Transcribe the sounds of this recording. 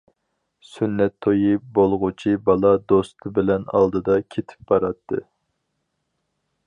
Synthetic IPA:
synːɛt̪ʰːojɨbolˠʁʊt͡ʃʰibɑlˠɑd̪ost̪ʰɨbɪlɛnɑ̰lˠd̪ɨd̪ɑkʲʰet̪ʰɪ̥p̚bɑɾɑt̪ʰːɨ̰

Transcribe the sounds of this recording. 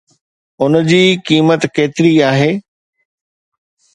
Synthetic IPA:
ʊnd͡ʑiːkiːmət̪keːt̪ɪɾiaːɦeː

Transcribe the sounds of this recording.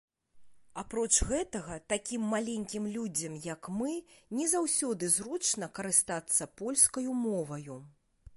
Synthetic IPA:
apɾɔt͡ʂɣɛt̪ɐɣɐt̪akʲimːalʲenʲkʲimlʲud͡zʲɐmjɐkmɨnʲɛzawsʲɔd̪ɨzɾut͡ʂnɐkɐɾɨst̪at̪sːɐpɔlʲskɐjumɔvɐju

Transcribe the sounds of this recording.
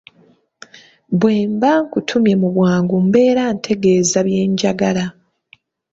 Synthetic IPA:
bwe̞ːmbaŋkutʰumje̞muβwaːŋɡumbe̞ːɾantʰe̞ɡe̞ːzaβje̞ːɲɟaɡala

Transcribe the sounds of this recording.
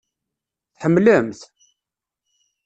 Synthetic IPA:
θħəmləmθ

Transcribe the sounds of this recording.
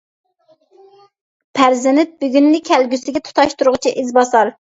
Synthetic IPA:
pʰæɾzɪnɪt̪̚byɡʲynːɪkʲʰælɡʲysɪɡʲɛt̪ʰu̥t̪ʰɑʃt̪uɾʊʁt͡ʃʰiʔizbɑsɑɾ

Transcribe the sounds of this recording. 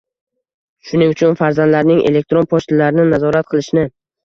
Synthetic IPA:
ʃʊnɪŋʊt͡ʃʰʊnfaɾzand̪laɾnɪŋʔele̞k̚t̪ɾo̞npʰoʃt̪ɪlaɾɪnɪnazɒɾat̪̚qʰɨlˠɪʃnɪ

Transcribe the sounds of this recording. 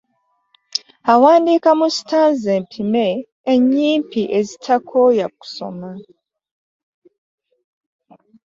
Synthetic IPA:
hawaːndikamusi̥tanzempʰimeː | ɲiːmpiʔezitʰakʰojaku̥so̰ma

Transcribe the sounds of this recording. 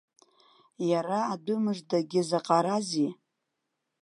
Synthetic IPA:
jaɾaːdʊmɨʐdaɡʲɪzaqʼaɾazi

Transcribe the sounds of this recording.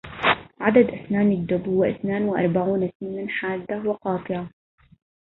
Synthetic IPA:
ʕad̪ad̪ʔaθnaːnɪd̪ːʊbhʊːaʔɪθnaːnwɪʔɑ̰ɾˤbaʕuːnasmɪnanħaːd̪ːawɪqɑːt̪ˤɨɾa

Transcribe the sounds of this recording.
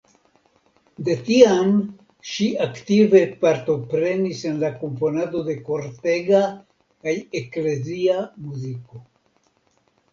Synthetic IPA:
d̪e̞tiam | ʃiaktive̞paɾto̞pɾe̞nise̞nlako̞mpo̞nado̞de̞ko̞ɾte̞ɡa | kaje̞kle̞ziamuziko̞

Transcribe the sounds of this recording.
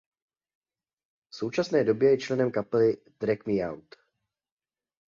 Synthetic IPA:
fso̞wt͡ʃasnɛːdo̞bjɛjɛt͡ʃlɛnɛmkapɛlɪ | d̪̥ɾɛkmɪawt̪

